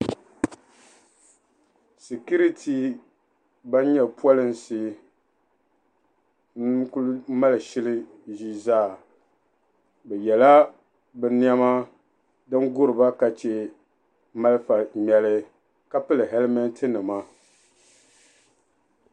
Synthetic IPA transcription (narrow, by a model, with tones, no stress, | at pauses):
si˨ku˦ɾi˦tʰi˨ | ba˦n˦ɲɛ˦pu˦ɔ˦lɨ˦n˨si˨˦ | ku˦lma˦lɨ˨ʃɪ˦lɨ˦ | ʒi˦zaː˦˨ | bɛ˨jɛ˨la˦ | bɛ˨ni˦ɛ˦ma˦ | dɨ˦nɡʊ˦ɾɨ˨ba˦ka˨t͡ʃe˨˦ | ma˦lfa˨m˨ɛ˨lɨ˦ | ka˦pɨ˦lɨ˨ɦɛ˦lmɛ˦ntʰɨ˦nɨ˨ma˦